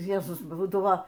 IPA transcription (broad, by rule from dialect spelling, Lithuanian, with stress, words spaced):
ˈjæːzʊs ˈbuːdɐʋoː